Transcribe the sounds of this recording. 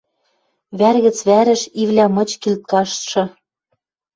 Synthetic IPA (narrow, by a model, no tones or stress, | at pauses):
βærɣɘ̆t͡sβæɾɘ̆ʃiβlʲæmɤ̆t͡ɕkilt̪̚kɑʃt̪ʃɤ̆